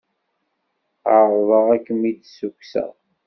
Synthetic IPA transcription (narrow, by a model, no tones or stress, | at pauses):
aɾðˤəʁækːəmid̪sukʷsæ̰